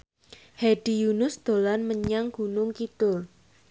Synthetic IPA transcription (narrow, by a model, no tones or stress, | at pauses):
heɖ̥i̤junʊsd̪̥o̤lanməɲaŋɡ̥unʊŋkit̪ʊl